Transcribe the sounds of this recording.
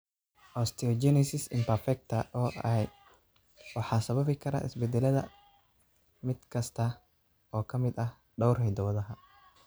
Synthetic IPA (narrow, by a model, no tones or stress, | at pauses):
ʔɔst̪ʰɛɔd͡ʒɛnɛsɪsɪmpɐɾfɛk̚t̪ʰɐʔɔːɛj | wɑħɑːsɐβɐβɪkʰɐɾa̰ːʔɪ̰sbɛd̪ɛlɐðɐ̰ | mɪd̪̥kʰɐst̪ʰɐ | ɔːkʰɐmɪd̪ɐh | ɖɔwrɦɛjd̪ɔwɐðɐɦɐ